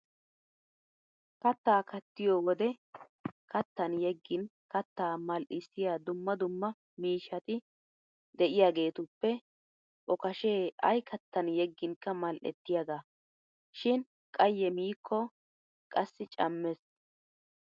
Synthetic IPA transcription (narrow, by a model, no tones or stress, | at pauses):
kɐt̪ːaːkɐt̪ːɪjoːwɔd̪ɛ | kɐt̪ːɐnjɛɡːɪnkɐt̪ːaːmɐlʔɪsːɪjaːd̪ʊmːɐd̪ʊmːɐ | miːʃɐt̪ɪ | d̪ɛʔɪjaːɡe̞ːt̪ʊpːɛ | ʔɔkɐʃeːɐjkʰɐt̪ːɐnjɛɡːɪŋkːɐmɐlʔɛ̰t̪ːɪjɐɡaː | ʃɪn | kʼɐjːɛmiːkʰːɔ | kʼɐsːɪt͡ʃʼɐmːɛs